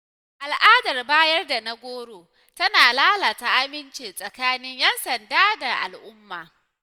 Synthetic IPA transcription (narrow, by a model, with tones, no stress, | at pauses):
ʔa˨lʔaː˦dɐ˨rbaː˦jɐ˦rda˨na˦ɡʷoː˦ɽoː˨ | tɐ˦naː˨laː˦laː˨ta˨ʔa˦mɪ˦nt͡ʃeː˨sʼɐ˨kaː˦nɪ˦ɲjɐ˦nsɐ˨ndaː˦da˨ʔa̰˨lʔʊ˦mːa̰ː˨